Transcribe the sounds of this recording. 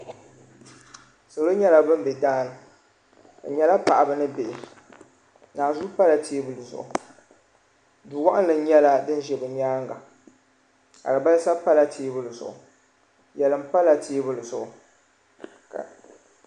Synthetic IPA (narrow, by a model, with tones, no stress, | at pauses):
so˨lo˦ɲɛ˦la˦bɨ˦m̩˦bɛ˨daː˦nɨ˨ | a̰˨ɲɛ˦la˦pa˨ʔa˨bɨ˨nɨ˦be˨ʔɪ˨ | naː˨zu˦pa˦la˨tʰeː˦bɨ˨lɨ˨zʊ̰˨ʊ̰˨ | du˨wa˦ʔɪ˦nlɨ˨˦ɲɛ˦la˦dɨ˦n˦ʒɛ˨bɨ˨ɲaː˦ŋɡa˨ | ka̰˨lɨ˨ba˦lsa˦pa˦la˦tʰeː˦bɨ˦lɨ˨z̰ʔʊ˨ | jɛ˨lɨ˨m̩˦pa˦la˨tʰeː˦bɨ˦lɨ˨zʊ˨ʊ˨ | ka˨